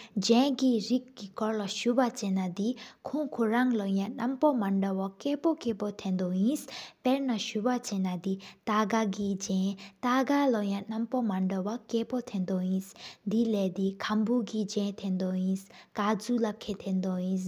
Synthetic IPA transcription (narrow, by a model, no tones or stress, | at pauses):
d͡ʒɛ̃ɡiɾik̚ɡikɔɾlaʃubat͡ʃɛnad̪ikʰũkʰoɾaŋlɔjãnɐmpɔmaɳɖɔwakɛpɔkɛpɔt̪ʰɛ̃nd̪ɔjĩspɛɾnaʃubat͡ʃɛnad̪it̪aɡaɡid͡ʒɛ̃t̪aɡalɔjãnampɔmaɳɖɔwakɛpɔt̪ʰɛ̃nd̪ɔjĩsd̪ilɛd̪ikʰambuɡid͡ʒɛ̃t̪ʰɛ̃nd̪ɔɦĩs | kad͡zulakʰɛt̪ʰɛ̃nd̪ɔɦĩs